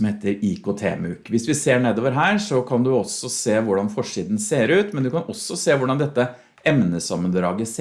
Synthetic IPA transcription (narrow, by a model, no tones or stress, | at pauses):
mheːt̪əɾikʰot̪ʰḛːmʉːkʋɪsʋɪseːɳeːd̪oːʋəɾɦæːɾʂɔkʰɑnd̪ʉɔsːɔseːʋʊɖɑnfɔʂiːd̪n̩seːɾʉːt̪mɛnd̪ʉkɑnɔsːɔseːʋʊɖɑnd̪ɛt̪ːə | ʔɛmnəsɑmːənd̪ɾɑːɡəs